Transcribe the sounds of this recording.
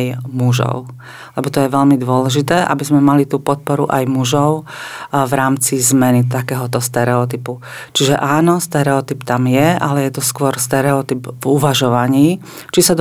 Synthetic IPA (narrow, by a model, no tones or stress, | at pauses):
jmuʒɔ̰ʊ | lɛbɔt̪ɔjɛʋɛʎmid̪ʊɔlɛʒit̪ɛːʔabizmɛmalit̪uːpɔt̪̚pɔɾṵʔajmuʒɔʊvɾaːmt͡sizmɛnit̪akɛːɦɔt̪ɔst̪ɛɾɛɔt̪ipu | t͡ʃiʒɛʔaːnɔst̪ɛɾɛɔt̪ipt̪amjɛalɛjɛt̪ɔskʊɔɾst̪ɛɾɛɔt̪ibvuʋaʒɔʋaɲiː | t͡ʃisad̪